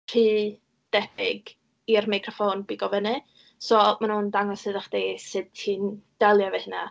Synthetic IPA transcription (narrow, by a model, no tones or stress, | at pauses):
r̥iː | d̥ɛbɪɡ | irmajkʰrɔfoːnbiɡɔvənɨ | sɔmanhundaŋɔsɨðaχd̥eːsɨd̚ʰiːnd̥ɛlˠjavɛhɪna̰